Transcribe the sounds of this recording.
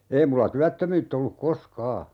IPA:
ei mulːɑ tyætːømyːtː olːuk koskɑː

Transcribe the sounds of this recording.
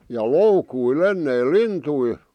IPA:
jɑ loukuil enːeil lintui

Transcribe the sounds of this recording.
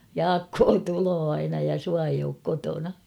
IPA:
jɑːkːoː tuloː ɑinɑ jɑ suɑ eij oːk kotonɑ

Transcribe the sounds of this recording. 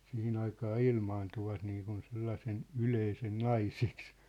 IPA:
sihin ɑikɑː ilmɑːntuʋɑt niːkun selːɑsen yleisen nɑiseks

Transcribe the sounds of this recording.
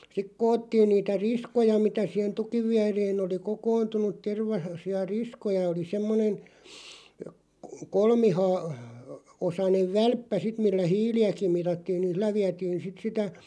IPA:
sik koːtːiːn niːtæ riskojɑ mitæ siˑhen tukiʋ ʋiæreːn oli kokointunut̆ terʋɑ siɑ riskojɑ oli semːonen̞ kolmihɑː osɑneʋ ʋælpːæ sit milːæ hiːliækim̆ mitɑtːiːn nĭn̞ s̆ilːæ ʋiætiːn̞ sit sitæ

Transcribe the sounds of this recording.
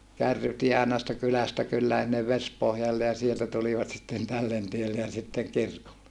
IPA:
kærːytie ɑˑenɑ sitːe kylæstæ kylːæːn̞ sinːeʋ ʋespohjɑlːe jɑ sieltæ tuliʋɑt sitːen tælːen tielːe jɑ sitːeŋ kirkolːe

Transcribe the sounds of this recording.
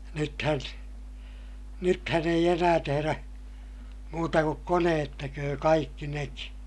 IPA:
nythæn nythæn eij enæː teheræ muːtɑ kuk koneːt tekøː kɑikːi neki

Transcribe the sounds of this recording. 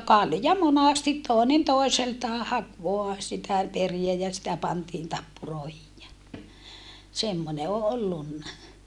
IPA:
kɑljɑ monɑstit toˑinen toˑiseltɑː hɑk ʋoɑ sitæ periæ jɑ sitæ pɑntiːn tɑpːuroˑehij jæ semːone o olːunːɑ

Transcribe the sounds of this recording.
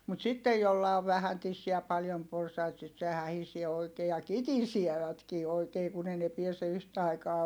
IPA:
mut sitːej jolːɑ oʋ ʋæhæn tisːiæ jɑ pɑljom porsɑit sit se hæhisie oikeː jɑ kitisieʋætkiː oikeː kun ei ne piɛse yhtæ ɑikɑː

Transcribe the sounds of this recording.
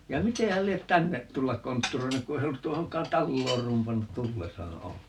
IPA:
jɑ mite hæl liet tænːet tulːɑk kontːuroinuk ku se ei olːut tuohoŋkˑɑːn tɑlːoːr rumpɑnːut tulːesɑː olːeŋkˑɑː

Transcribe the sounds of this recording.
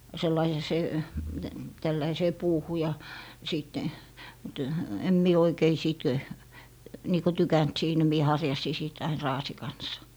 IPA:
selːɑi jɑ se tælːæiseː puːhu jɑ siˑtːe ty em mie oikei siˑt niː ko tykænt siːnæ mie hɑrjɑsi sit ɑin rɑːsi kɑns

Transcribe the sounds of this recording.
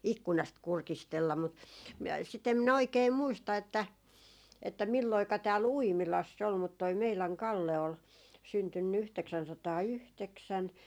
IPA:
ikːunɑst kurkistelːɑ mut m sit em minæ oikeː muistɑ etːæ etːæ milːoikɑ tæːl uimilɑsː ol mut toi meilæŋ kɑlːe ol syntynːy yhteksænsɑtɑːyhteksæn

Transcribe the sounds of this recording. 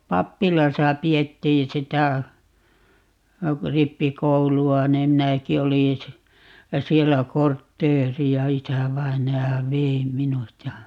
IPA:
pɑpːilɑsɑ pietːĩː sitæ ripːikouluɑ nim minæki olin̞ si sielːæ kortːeːriɑ isæʋɑinɑjɑ ʋei minut jɑ

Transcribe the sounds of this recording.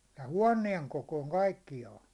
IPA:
tæ huɒnˑieŋ kokoˑĭŋ kɑikːijɑːn̞

